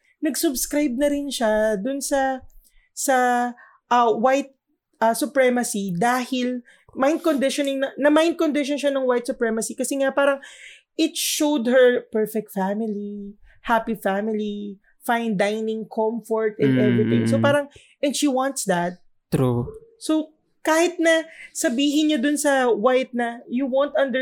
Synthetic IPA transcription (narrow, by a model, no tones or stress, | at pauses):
nɐɡsʊbskɾajb̚nɐɾɪnʃad̪ʊnsɐ | sɐ | ʔɐwajt̪̚ | ʔɐsʊpɹɛmɐsid̪aːhɪl | majnd̪̚kond̪ɪʃonɪŋnɐnɐmajnd̪̚kond̪ɪʃonʃanɐŋwajt̪̚sʊpɹɛmɐsikɐsɛŋapaːɾɐŋʔɪt̪̚ʃowd̪hɛɹpɛɹfɛk̚t̪famɪli | hapifamɪli | fãjnd̪ajnɪŋkʰɔmfɔɹt̪ɛ̃nd̪ʔɛvɹɪt̪ɪ̃ŋsopaːɾɐŋ | ʔɛnd̪ʃiwãnt̪sd̪ɐt̪̚ | t̪ɾuso | kaːhɪt̪̚nɐsɐbiːɦɪnɲod̪ʊnsɐwajt̪̚nɐjʊwont̪ʔɐ̃nd̪ɛ